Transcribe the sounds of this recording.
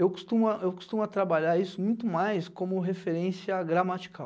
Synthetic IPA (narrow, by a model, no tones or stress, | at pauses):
ewko̥st̪ũmɐewko̥st̪ũmʊat̪ɾabaʎaɾisʊmũj̃t̪ʊmajskõmʊɦefeɾẽsiɐɡɾamat͡ʃi̥kʰaw